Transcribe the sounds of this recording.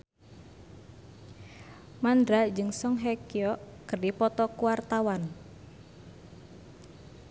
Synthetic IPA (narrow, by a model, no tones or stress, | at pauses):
mandɾad͡ʒɨŋsɔŋɦɛkiɔʔkɨrdipɔt̪ɔkuwart̪awan